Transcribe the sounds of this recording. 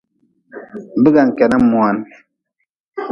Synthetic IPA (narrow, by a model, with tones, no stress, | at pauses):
bi˦ɡa˨ŋ̩˨kɛ˨na˦mwa˨n